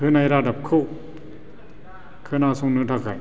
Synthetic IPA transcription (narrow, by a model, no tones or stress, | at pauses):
hɯnajɾadap̚kʰɯ | kʰɯnasɔŋnɯtʰakːa̰j